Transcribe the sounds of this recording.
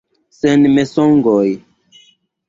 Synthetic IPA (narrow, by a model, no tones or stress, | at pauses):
senmesoŋɡoj